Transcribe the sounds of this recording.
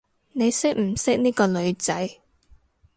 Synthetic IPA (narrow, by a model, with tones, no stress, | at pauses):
ne˨˧jsɪ˥k̚m̩˨˩sɪ˥k̚niː˥kɔː˧lɵ˨˧ɥt͡sɐ˨˥j